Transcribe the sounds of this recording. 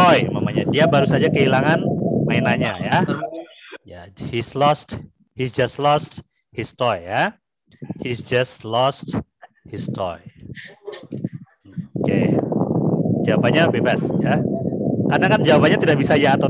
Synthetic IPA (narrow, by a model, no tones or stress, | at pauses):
ɔjmamaɲadiabaɾusad͡ʒakəilaŋanmainaɲaja | jahislɔst̚ | hisd͡ʒastlɔst̚ | histɔjːa | hisd͡ʒastlɔst | histɔ̰j | okḛ | d͡ʒawabaɲabebasja | karnakand͡ʒawabaɲat̪idaʔbisajaːt̪a